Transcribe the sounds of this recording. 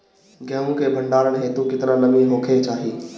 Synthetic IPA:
ɡʱɛ̃ũkʰebʱɐ̃ɳɖaːɾəɽ̃ɦeːt̪ukɪt̪ɪnãnɐmĩɦoːkʰet͡ɕaːɦiː

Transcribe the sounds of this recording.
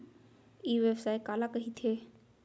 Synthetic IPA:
iːʋebsaːekaːlakəɦit̪ʰeː

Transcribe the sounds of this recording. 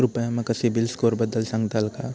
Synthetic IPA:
ɾʊpəjãmẽkɐsibɪlskoːɾbɐd̪əlsɐ̃ŋɡt̪alkaː

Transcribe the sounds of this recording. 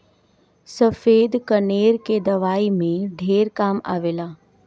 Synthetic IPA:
sɐfeːd̪kɐneːɾked̪ɐʋaːimẽɖʱeːɾkaːma̰ːʋeːlaː

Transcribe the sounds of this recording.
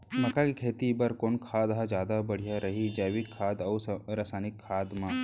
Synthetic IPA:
mɐkakikʰeːt̪ibɐɾkoːnkʰaːd̪ɦad͡ʒjaːd̪abɐɽ̤ijaɾɐɦid͡ʒaːʋɪkʰːaːd̪ɐwsɾɐsaːnɪkʰːaːd̪mã

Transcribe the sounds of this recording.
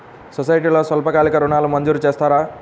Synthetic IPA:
sɔsɐjʈiːloːsɐlpɐkaːlikɐɾuɳaːlumɐnd͡ʒuɾut͡ʃeːst̪aːɾaː

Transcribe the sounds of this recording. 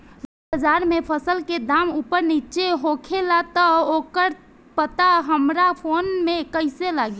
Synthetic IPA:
dobəd͡ʒaɾmepʰəsəlked̪amupəɾnit͡ʃeɦokʰelat̪əokəɾ | pət̪aɦəmɾapʰonmekəɪselaɡe

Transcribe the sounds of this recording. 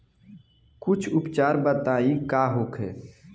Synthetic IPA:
kʊt͡ʃʰʊpt͡ʃaːɾbət̪aːĩkaːɦoːkʰɦɛː

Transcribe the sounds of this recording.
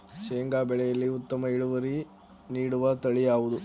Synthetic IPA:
ʃeːŋɡaːbɛɭɛjɐlːiut̪ːɐmɐiɭuʋɐɾi | niːɽuʋɐt̪ɐɭijaːʋud̪u

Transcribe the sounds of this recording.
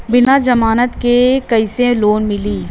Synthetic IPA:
bɪnad͡ʒɐmaːnət̪kekɐɪsẽloːnmɪliː

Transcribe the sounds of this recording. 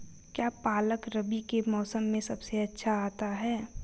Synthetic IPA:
kjaːpaːləkɾɐbikemɔːsəmːẽsɐbseɐtːʃʰaaːt̪aɦɛː

